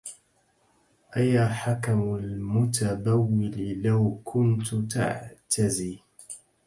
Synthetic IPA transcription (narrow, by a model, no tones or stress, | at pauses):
ʔajaħakamalmʊt̪adawːɪlɪlawkʰʊnt̪t̪a̰ʕt̪ʰaziː